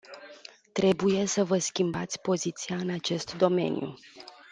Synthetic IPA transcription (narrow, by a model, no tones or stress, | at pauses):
t̪ɾe̞buje̞səvəskʲimbat̪sʲpo̞zit̪siaɨnat͡ʃe̞st̪d̪o̞me̞̰njṵ